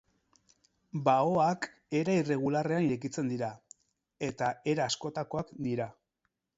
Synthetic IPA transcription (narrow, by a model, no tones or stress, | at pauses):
baoak | e̞ɾaire̞ɣ̞ulare̞aniɾek̬it͡se̞nd̪iɾa | e̞t̪ae̞ɾaːsko̞t̪ako̞akd̪iɾa